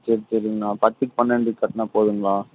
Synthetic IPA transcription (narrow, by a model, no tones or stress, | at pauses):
t͡ʃːɪɾt͡ʃːɪɾiŋɡɐɭaːpɐt̪ːɯkːpɐnːɐɳɖikːɐʈːnaːpoːðɯŋɡɐɭaː